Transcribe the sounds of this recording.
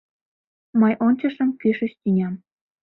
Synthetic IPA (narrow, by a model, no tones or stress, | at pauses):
mɤjʔonʲt͡ɕɤ̆ʃə̆mkyʃə̆ɕt̪ʲynʲɑm